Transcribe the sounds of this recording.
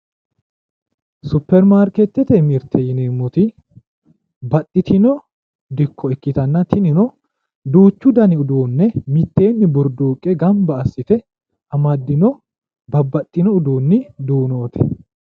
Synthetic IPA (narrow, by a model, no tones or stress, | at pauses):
sʊpːɛɾmaːɾkɛt̪ːɛt̪ɛmɪɾt̪ʰːɛjɪneːmːʊt̪ɪ | bɐt̪ʼːɪt̪ɪnɔ | d̪ɪkːɔɛkːɪt̪ɐnːɐt̪ʰɪnɪnɔ | d̪uːt͡ʃːʊd̪ɐnɪʊd̪uːnːɛmɪt̪ːe̞ːnːɪbʊɾd̪uːkʼːɛɡɐmbɐɐsːɪt̪ɛ | ɐmɐd̪ːɪnɔ | bɐbːɐt̪ʼːɪnɔʊd̪uːnːɪd̪uːnoːt̪ʰɛ̥̰